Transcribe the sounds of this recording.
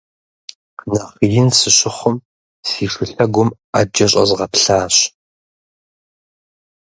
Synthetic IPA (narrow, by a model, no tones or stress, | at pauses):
nɐʁjɪnsɨɕʼɪχʷʊm | siːʂɨɬɐɡʷʊm | aːd͡ʒɐɕʼɐ̰zʁɐpɬaːɕ